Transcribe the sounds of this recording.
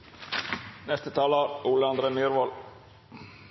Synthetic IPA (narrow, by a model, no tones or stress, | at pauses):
nɛst̪ət̪ʰɑːlaɾuːlɑnd̪ɾəmeːɾvɑːl